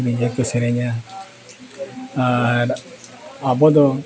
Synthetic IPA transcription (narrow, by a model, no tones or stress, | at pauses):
bid͡ʒekeseɾeɲa | a | abɔdɔ